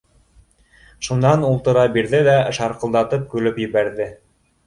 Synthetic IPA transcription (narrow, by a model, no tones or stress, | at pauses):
ʃunɑnulˠt̪ɤ̆ɾɑbiɾðɘlæʃɑɾqɤ̆lˠd̪ɑt̪ɤp̚kʉlɘpjɘ̆βæɾðɘ